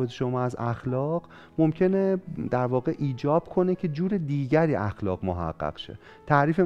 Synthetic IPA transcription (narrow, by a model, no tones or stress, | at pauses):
et̪ʰeʃomɒːæzæxlɒːɢ | momcʰe̞ned̪æɾvɒːɣeʔiːd͡ʒɒːb̥kʰo̞ne̞cʰe̞d͡ʒuːɾed̪iːɟæɾiːʔæxlɒːɣmoɦæ̰ɢ̥ːæ̰ɢ̥ʃḛ | t̪ʰæɾiːfe